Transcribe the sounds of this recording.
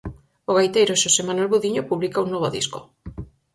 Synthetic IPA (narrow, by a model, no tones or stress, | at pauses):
oɣajt̪ejɾoʃosemanwelβuðiɲopuβlikaunoβ̞oðḭsko